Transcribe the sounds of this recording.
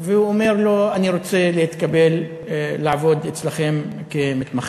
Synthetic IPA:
veuome̞ʁlo̞aniʁo̞t͡selehit̪kabe̞lː | aavo̞d̪et͡slaχe̞m | kemit̪maχ

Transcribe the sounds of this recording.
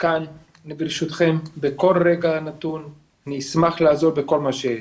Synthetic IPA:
kan | libɾiʃut̪χembeko̞lʁeɡanat̪un | aniismaχlaːzo̞ʁbeko̞lmaʃeje

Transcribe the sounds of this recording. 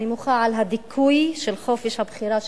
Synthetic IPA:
imʊxaːʕalɦad̪ɪkʰːuːiʃɪlxoːfiʃabxɪɾaːʃ

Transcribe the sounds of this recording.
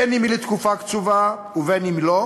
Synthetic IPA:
enimilet̪kufakt͡suva | uvenimilo

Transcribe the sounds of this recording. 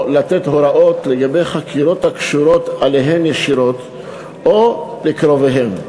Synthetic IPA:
lat̪et̪ɦoɾaʔo̞t̪leɡabe̞jχakʰiɾo̞t̪hakʃuɾo̞t̪ale̞ɦe̞mjeʃiɾo̞t̪ | olikɾo̞veɦe̞m

